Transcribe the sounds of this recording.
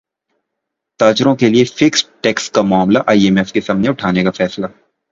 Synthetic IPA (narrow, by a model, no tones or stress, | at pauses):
t̪aːd͡ʒɾõkeliefɪksʈɛːkskamaːmlaʔaːiɛmɛfkesaːmneʊʈʰaːnekafɛːsla